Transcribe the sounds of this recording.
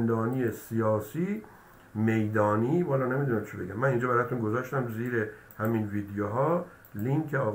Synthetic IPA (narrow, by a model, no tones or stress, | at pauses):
nd̪ɒːniːjesijɒːsiː | me̞jd̪ɒːniːmɒːlɒːne̞mid̪unæmt͡ʃʰebe̞ɡæmːæniːnd͡ʒɒːbæɾɒt̪unɡo̞zɒːʃt̪æmziːɾe | hæminviːd̪ejoɦɒː | liŋkʰeɒːɣ